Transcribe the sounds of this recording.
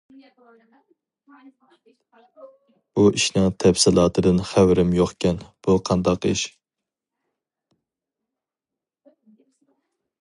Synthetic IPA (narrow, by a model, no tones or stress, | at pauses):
uʔiʃnɨŋt̪ʰɛpsɪlˠɑːt̪ʰɨd̪ɨnχæwɾɪmjoχkʲɛnb̥uqʰɑnd̪ɑqiʃ